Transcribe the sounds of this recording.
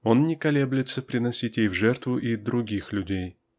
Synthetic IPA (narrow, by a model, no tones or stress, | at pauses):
o̞nnʲɪkɐlʲeblʲɪt̪səpɾʲɪnɐsʲitʲjejvʐɛrt̪vʊʔid̪ɾʊɡʲixlʲʊdʲej